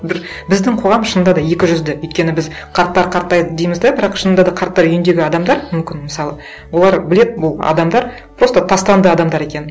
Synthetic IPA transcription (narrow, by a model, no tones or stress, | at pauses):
bɪɾ | bɪzd̪ɪŋqʰo̞ʁɑmʃənd̪ɑd̪ɑje̞kʲɪʒʏzd̪ɪɵjt̪̚kʲe̞nɪbɪz | qʰɑɾt̪ːɑɾqʰɑɾt̪ːɑjd̪ijməzd̪ɑbɪɾɑqʃənd̪ɑd̪ɑqʰɑɾt̪ːɑɾʏjʏnd̪e̞ɡʲɪɑd̪ɑmd̪ɑɾmʏmkʲɪnmɪsɑlˠə | wo̞lˠɑɾbɪle̞d̪ɪbʊlˠɑ̰d̪ɑmd̪ɑɾ | pɾo̞st̪ɑt̪ʰɑst̪ɑnd̪əɑd̪ɑmd̪ɑɾe̞kʲe̞n